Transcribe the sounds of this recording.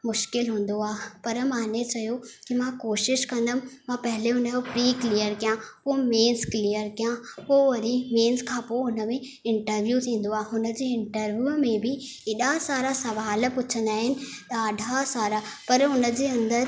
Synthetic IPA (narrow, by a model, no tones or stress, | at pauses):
mʊʃkɪlɦũːn̆d̪oaːɦpɐɾmãːnet͡ɕɐjokimãkoːʃɪʃkɐ̃nd̪əmɪ̆mãpɐɦɪleɦʊnəd͡ʑopɾiːkliːjəɾkijãpomeːnsklijəɾkijãpoːʋɐɾimeːnskʰãːpoʊnə̆mẽ | ɪ̃ɳʈəɾʋjut̪ʰĩːn̆d̪oaːɦɦʊnə̆d͡ʑeːɪ̃ɳʈəɾʋjuːmẽbɪ | eɗasaːɾasɐʋaːlpʊt͡ɕʰə̃n̆d̪aːɦɪnɪ̆t̪ɐaːɖʱasaːɾapɐɾɦʊnə̆d͡ʑeːɐ̃nd̪əɾ